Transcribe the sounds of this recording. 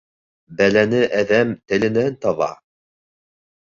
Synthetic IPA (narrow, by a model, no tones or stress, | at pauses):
bælænɘʔæðæmt̪ɘ̆lɘ̆nænt̪ɑβɑ̰